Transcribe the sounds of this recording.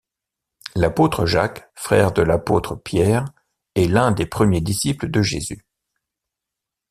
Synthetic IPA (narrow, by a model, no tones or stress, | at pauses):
lapot̪χəʒakfχɛʁd̪əlapot̪χəpjɛʁ | ɛlɛ̃d̪epχəmjed̪isipləd̪əʒezy